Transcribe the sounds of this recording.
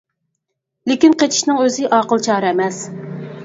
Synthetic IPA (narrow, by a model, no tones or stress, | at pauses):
lɪkʲinqet͡ʃʰi̥ʃnɨŋøzɪʔɑːqəlˠt͡ʃʰɑːɾɨɛmɛs